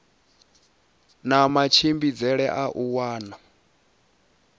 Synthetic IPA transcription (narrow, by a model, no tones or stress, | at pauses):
namat͡ʃʰimbid͡zɛɺɛʔaʔuwaːna